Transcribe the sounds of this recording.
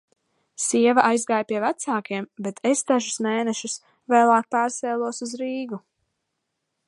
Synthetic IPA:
siɛvaʔajzɡaːjpʲiɛvæt̪saːkiɛmbet̪ʰest̪aʒusmeːnɛʃus | vɛːlˠaːk̚paːɾsɛːlˠuɔsuzɾiːɡu

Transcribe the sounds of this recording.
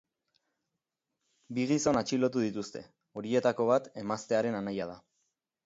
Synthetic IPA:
biɣiso̞nat͡ʃilo̞t̪uðit̪ust̪e̞̰ | o̞ɾie̞t̪ako̞β̞at̪e̞mast̪e̞aɾe̞nanajað̞a

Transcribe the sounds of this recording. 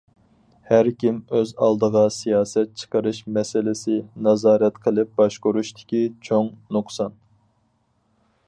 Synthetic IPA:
hæɾkʲimøzɑ̰lˠd̪əʁɑsijɑːsɛt̪̚t͡ʃʰə̥qʰəɾɨʃmɛsɪlɪsɪnɑzɑːɾɛt̪qʰəlˠɨp̚b̥ɑʃkoɾuʃt̪ʰɪ̥kʲit͡ʃʰoŋnuqsɑn

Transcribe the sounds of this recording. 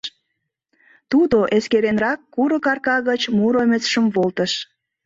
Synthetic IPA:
t̪ud̪oʔeskeɾenrɑkːuɾə̆kɑrkɑɣət͡ɕmuɾomʲet͡sʃə̆mvolt̪əʃ

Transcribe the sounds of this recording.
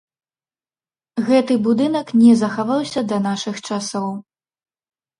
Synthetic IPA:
ɣɛt̪ɨbud̪ɨnɐknʲɛzɐxavawsʲɐd̪ɐnaʂɨxt͡ʂasɔw

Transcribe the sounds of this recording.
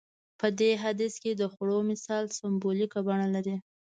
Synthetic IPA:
pəd̪eɦad̪isked̪əxɽomɪsɑlsɪmbolikabaɳalaɾi

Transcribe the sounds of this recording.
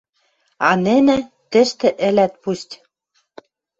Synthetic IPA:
ɑnɘ̆nɘ̆ | t̪ɘ̆ʃt̪ɘ̆ʔɘ̆læt̪̚pustʲ

